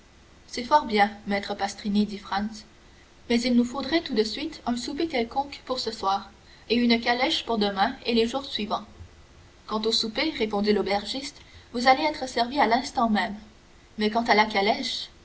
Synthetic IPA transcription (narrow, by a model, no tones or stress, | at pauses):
sɛfɔʁbjɛ̃mɛt̪χəpast̪χined̪ifχɑ̃ns | mɛzilnufod̪ʁɛt̪ud̪əsɥit̪œ̃supekʲɛlkɔ̃kpuʁsəswaːʁ | eynəkalɛʃpuʁd̪əmɛ̃eleʒuːʁsɥivɑ̃ | kɑ̃t̪osupeʁepɔ̃d̪ilobɛʁʒist̪vuzaleɛːt̪χəsɛʁvialɛ̃st̪ɑ̃mɛm | mɛkɑ̃t̪alakalɛʃ